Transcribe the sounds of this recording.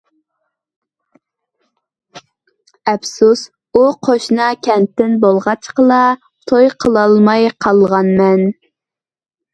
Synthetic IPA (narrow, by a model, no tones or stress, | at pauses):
ɛpsus | uqʰoʃnɑkʲʰɛnt̪ːɪnbolˠʁɑt͡ʃqəlˠɑ | t̪ʰojqʰəlˠɑlˠmɑjqʰɑlˠʁɑnmɛn